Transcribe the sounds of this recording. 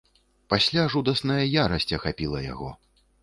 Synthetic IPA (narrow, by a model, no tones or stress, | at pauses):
pasʲlʲaʐud̪ɐsnɐjɐjaɾɐsʲt͡sʲɐxapʲilˠɐja̰ɣɔ̰